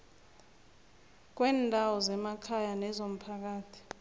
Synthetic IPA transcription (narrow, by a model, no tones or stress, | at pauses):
k̬wɛːndʱawɔzɛmakʰajanɛzom̩pʰak̬aːtʰi̥